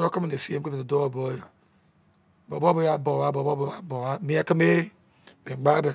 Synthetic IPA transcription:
ɾo˦ki˦me˨ne˨fi˦e˦mke˦be˨do˦o˦bo˦jo˨ | bo˨bo˦bo˦ja˦bo˨wa˦bo˨bo˦bo˦a˨bo˨wa˦mi˦a˦ki˦me˦ | be˨ɡ͡ba˦da˨

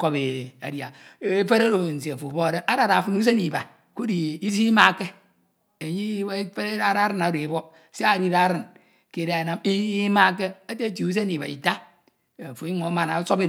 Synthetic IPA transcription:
ko˦be˨a̰˨dja˨˦e˦fe˦ɾe˦ɾo˨n̩˨si˨a˨fo˨bo˦a˨ɾe˦a˦ɾa˨ɾa˨fu˦nu˦s̬e˦ni˨ba˨ | ku˦di˨i˦zi˦ma˦˨ke˦ | e˨ɲi˦fe˦ɾe˦a˦ɾa˦ɾɨ˦na˨˦ɾo˨e˨bo˦ | se˦a˦˨ɾi˦ɾa˦ɾɨ˨n | ke˨ɾe˨˦a˨na˦mi˦ma˦ke˦a˦te˦t̬i˨u˦s̬e˦ni˨ba̰˨ḭ˨ta˦ | a˨fo˨i˦ŋo˨˦ma˨na˨˦so˦be˦

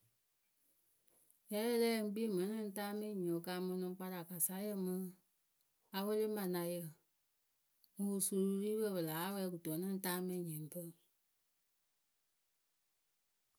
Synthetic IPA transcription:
jɛ˨˦lɛː˦ŋ̩˦ɡ͡bi˦e˦˨mɛ̃˨˦nĩ˦n̩˦taː˦mɛ̃˦˨ɲĩ˨o˨ka˧˦mɔ̃˧nɔ̃˧ŋ˦k͡pa˧ɾa˨ka˨sa˨˦jə˦˧mə̃˧˦ | a˧wə˦le˦mã˨nã˨jə˨ | ŋu˨u˨su˧˨ɾu˧˦ɾiː˦bə˧˨bə˨laː˨˦a˦wɛ˧˦ku˨tɔ˨˦nɛ̃˦taː˦mɛ̃˧˨ɲɛ̃˨pə˦˨

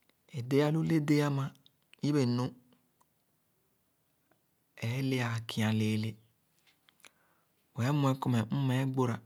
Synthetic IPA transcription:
e˨de˦ja˦lu˦le˦de˦a˦mã˦ | i˦be˨nũ˦ | ɛ˨˦le˦a˨kʰi˨ã˨le˨le˦ | wɛ˨˦mũ˨˦ɛ˦kɔ˨mɛ˨m̩˦mɛ˨˦ɡ͡bo˦ɾa˨

